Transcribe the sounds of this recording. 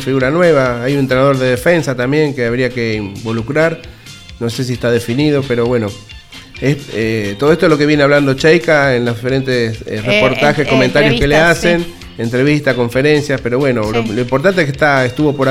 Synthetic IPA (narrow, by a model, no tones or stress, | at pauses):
fiɣuɾanwe̞β̞aajunent̪ɾenað̞o̞ɾðeðefe̞nsat̪ambje̞ŋkeaβ̞ɾiakeimmbo̞lukɾaɾ | no̞ses̬iet̪aðefiniðo̞peɾo̞βweno̞ | eet̪oðoet̪oelo̞ke̞βjeneaβland̪o̞t͡ʃejkaenloðife̞ɾent̪esrepoɾt̪axesko̞mẽnt̪aɾjokkeleasen | ent̪ɾe̞βist̪ako̞ɱfeɾe̞nsjaspe̞ɾo̞βwe̞nooloimpoɾt̪ant̪ekeht̪aest̪uβo̞poɾa